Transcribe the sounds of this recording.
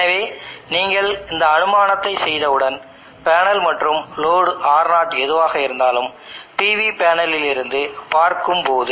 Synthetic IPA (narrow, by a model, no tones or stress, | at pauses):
nɐʋeːniːŋɡɐɭɪnd̪ɐːnɯmaːnɐt̪ːɐɪsɛjðɐɯɽɐn | paːnɐlmɐʈrɯmloːɽaːɾnaːʈɛðɯʋaːɣɐɪɾɯnd̪aːlɯm | piːʋipaːnɐlɪlɪɾɯnd̪ɯpaːɾkɯmpoːðɯ